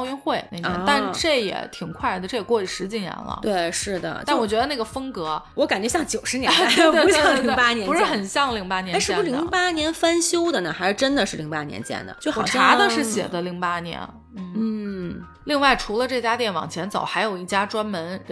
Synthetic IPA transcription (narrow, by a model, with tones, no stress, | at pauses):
ʊɥy˥nxwe˥˩ɪna˥˩ɛ˧˥˧t̪a˥˧nʈ͡ʂɤ˥˩jɛ̰˨˩t̪ʰi˨˩ŋkʰwa˥˩ɪd̪ə˩ʈ͡ʂɤ˥˩jɛ˨˩kwɔ˥˧y˥˩ʂɻ̩˧˥t͡ɕi˥˩njɛ̰˧˥nlə̰˧t̪we˥˩ɪʂɻ̩˥˩d̪ə̰˩a˥˩wɔ˨˩t͡ɕɥɛ˧˥d̪ə˧na˥˩ɡə˩fɤ˥ŋkɤ˧˥wɔ˧˥ka˨˩nt͡ɕɥɛ˧˥ɕjɑ˥˩ŋt͡ɕjo˨˩ʊʂɻ̩˧˥nɛ˧˥˧t̪we˥˧˥pa˥njɛ˧˥npʂɻ̩˥˩xə˨˩nɕjɑ˥˧ŋli˧˥ŋpa˥njɛ˧˥ʂɻ̩˥u˧ʂ̩˥li˧˥ŋpa˥njɛ˧˥nfa˥nɕjo˥ʊd̪ə˨nə˩xa˧˥ɪʂɻ̩˥˧ʈ͡ʂə˥nd̪ə˨ʂɻ̩˥˩li˧˥ŋpa˥njɛ̰˧˥nt͡ɕjɛ̰˥nd̪ə̰˩t͡ɕjo˥˩xwɔ˨˩˨ʈ͡ʂɑa˧˥d̪ə˧ʂɻ̩˥˩ɕjɛ̰˨˩d̪ə˦li˧˥ŋpa˥njɛ̰˧˥n | n̩˥˩n̩˥˩ | li˥˧ŋwa˥˩ɪʈ͡ʂʰu˧˥lə˧ʈ͡ʂɤ˥˩t͡ɕja˥t̪̬jɛ˥˩nwɑ̰˨˩ŋt͡ɕʰjɛ˧˥nt͡sɑ̰˨˩ʊxa˧˥ɪjo˨˩ʊi˥˩t͡ɕja˥ʈ͡ʂwa˥nmə˧˥n